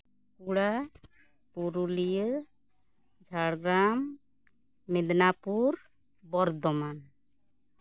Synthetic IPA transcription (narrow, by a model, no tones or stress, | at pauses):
kuɽa | puɾulijə | d͡ʒʱaɽɡɾamː | id̪napuɾ | bɔɾd̪ɔman